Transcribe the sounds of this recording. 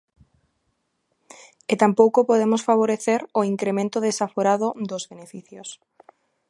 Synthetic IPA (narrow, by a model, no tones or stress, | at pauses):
et̪ampowkopoð̞emosfaβ̞oɾeθeɾoiŋkɾemẽnt̪oðesafoɾaðod̪ozβenefiθjos